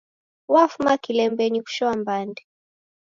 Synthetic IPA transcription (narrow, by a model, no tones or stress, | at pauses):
wafumakilɛmbɛɲiku̥ʃɔambandɛ